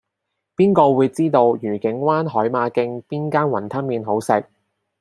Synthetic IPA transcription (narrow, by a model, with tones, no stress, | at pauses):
piː˥nkɔː˧wuː˨˧jt͡siː˥t̪o˧wjyː˨˩kɪ˨˥ŋwaː˥nɦɔː˨˥jmaː˨˧kɪ˧ŋpiː˥nkaː˥nwɐ˨˩nt̪ʰɐ˥nmiː˨˧nɦo˨˥wsɪ˨˧k̚